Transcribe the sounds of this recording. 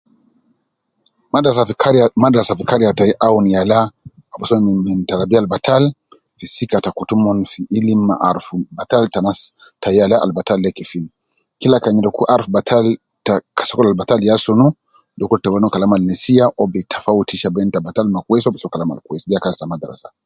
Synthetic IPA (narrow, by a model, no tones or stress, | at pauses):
aaɾmadasafikaɾiataiʔaunijala | ɔbɔsɔmmim̩taɾabialbatʰal | fisikatakutumɔnfiʔːlimːaʔaɾfubataltanas | tajalaʔa̰lbatalːɛkifin | kilakaɲiɾɔkuʔaɾfubatʰal | takasɔkɔlalbataljasunu | dɔkɔltawanɔkalamalnɛsiaʔɔbɛtʰafautiʃabɛntabatalmakwɛsɔbɛsɔkalama̰lkuɛsiakastamadaɾa̰sḁ